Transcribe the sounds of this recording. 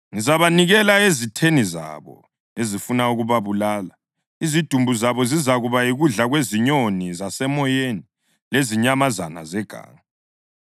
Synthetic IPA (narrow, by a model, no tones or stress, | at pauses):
ŋizaβaniɣɛlaezitʰeniza̰βɔ̰ | ezifunauɣuβaβulaːla | izid̥ʱumbʱuzaβɔzizaɣuβaiɣuɮaɣweziɲonizasɛmɔjeni | leziɲamazana̰zɛɡ̥ʱa̰ːŋa